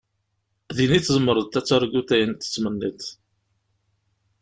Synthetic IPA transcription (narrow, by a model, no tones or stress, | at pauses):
ðiniθzəmːəɾˤəðt̪æt͡sːəɾˤɡuθæjənt̪ːə̥t͡sːmənːit̪